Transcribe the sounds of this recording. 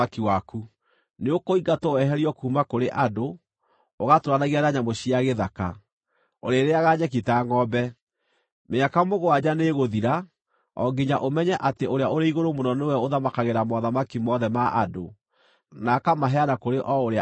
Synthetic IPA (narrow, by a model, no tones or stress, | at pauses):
akiwaku | neokoiɡatoɛɦɛɾiɔkuːmakoɾeʔado | oɣatowanaɣianaɲamoɕiaɣeðaka̰ | oɾeɾeaɣaɲɛk̬itaŋɔbɛ | meakamoɣoad͡ʑaneɣoðiɾa | ɔ̰ɡiɲaʔomɛɲɛʔateoɾeaoɾeiɣoɾomonɔnewɛoðamakaɣeɾamɔðamakimɔðɛmaʔa̰do | nakamaɦɛanakoɾeʔɔoɾea